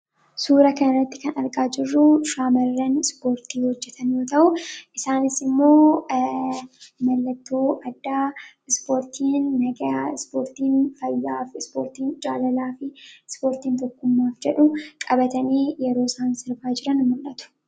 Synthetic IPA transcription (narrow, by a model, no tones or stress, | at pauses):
suːɾɐkɐnɐrːɐt̪ːɪkɐnɐɾkʼaːd͡ʒɪrːʊʃaːmɐɾːɐnspo̞ːɾt̪iːhɔd͡ʒːɛt̪ʰɐnjoːt̪ɐʔʊʔɪsaːnɪsɪmːo̞ː | mɐlːɐt̪ːoːʔɐd̪ːaːɪspo̞ːɾt̪ʰiːnːɐɡɐaspo̞ːɾt̪iːnfɐjːaːfɪspo̰ːɾt̪iːnd͡ʒʼaːlɐlaːfɪspo̞ːɾt̪iːnt̪ɔkːʊmːaːfd͡ʒɛᶑʊkʼɐbɐt̪ɐniːjɛɾo̞ːɪsaːnsɪɾbaːd͡ʒɪɾɐnmɐlʔɐt̪ʊ̥